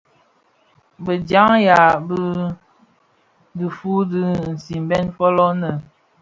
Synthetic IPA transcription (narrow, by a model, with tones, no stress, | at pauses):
bə˨d͡ʒa˦ŋja˨bə˦ | də˨fu˦dɨ˦n̩˨si˨mbɛ˦nfɔ˦lɔ˦nə˨